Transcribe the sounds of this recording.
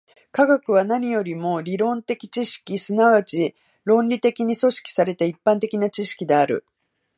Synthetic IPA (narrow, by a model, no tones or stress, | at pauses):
kaɡakɯ̟β̞anaɲ̟ijo̞ɾʲimo̞ɾʲiɾõ̞nt̪e̞kʲi̥t͡ɕiɕi̥kʲisɨnaβat͡ɕi | ɾõ̞nʲɾʲit̪e̞kʲiɲ̟iso̞ɕi̥kʲi̥saɾe̞t̪aipːãnt̪e̞kʲinat͡ɕiɕi̥kʲid̪e̞aɾɯ̟̰